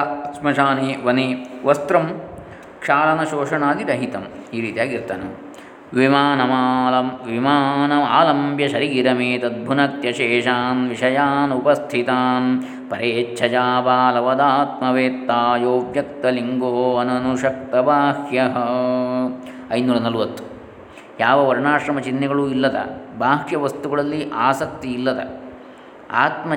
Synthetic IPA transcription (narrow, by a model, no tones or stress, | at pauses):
smɐʃaːniʋɐniʋɐst̪ɾɐm | kʂaːlɐnɐʃoːʂɐɳaːd̪iɾɐɦit̪ɐmiːɾiːt̪ijaːkiɾt̪ɐnɐm | ʋimaːnɐmlɐmʋimaːnɐmaːlɐmbjɐʃɐɾiiɾɐmeːt̪ɐd̪̚bʱunɐk̚t̪jɐʃeːʂaːnʋiʂɐjaːnupɐst̪ʰit̪aːn | pɐɾeːtːt͡ʃʰɐd͡ʒaːbaːlɐʋɐd̪aːt̪mɐʋeːt̪ːaːjoːbjɐk̚t̪ɐliŋɡoːɐnɐnuʃɐk̚t̪ɐbʱaːhjɐɦɐ | ɐjnuːlɐnɐluʋɐt̪ːu̥ | jaːʋɐʋɐɾɳaːʂɾɐmɐt͡ʃinːɛɡɐɭuːilːɐd̪ɐ̰bʱaːʃjɐʋɐst̪uɡɐɭɐlːiʔaːsɐk̚t̪iːlːɐd̪ɐ̰ | a̰ːt̪mɐ